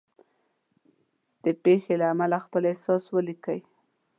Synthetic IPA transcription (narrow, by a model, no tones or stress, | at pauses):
d̪̥əpexelaːmalaxpəlesɑswəlikəj